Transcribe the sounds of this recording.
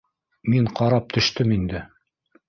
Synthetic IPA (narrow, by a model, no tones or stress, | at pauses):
miɴqɑɾɑp̚t̪ɵ̆ʃt̪ɵmind̪ɘ